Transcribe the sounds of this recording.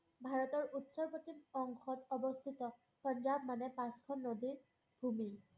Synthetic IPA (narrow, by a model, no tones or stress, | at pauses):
bʱaɹɔtɔɹutsɔɹpotinɔŋxɔtɔbɔst̪ʰitɔ | pɔnzabmanɛpãskʰɔnːodin | bʱumi